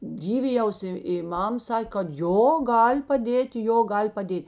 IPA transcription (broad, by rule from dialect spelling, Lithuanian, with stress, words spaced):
ˈdʲiːʋʲɪjɛʊs ɪ ɪ ˈmɐm ˈsɑːkʲeː kɐt ˈjoː ˈɡɐlʲ pɐˈdʲeːtʲ ˈjoː ˈɡɐlʲ pɐˈdʲeːtʲ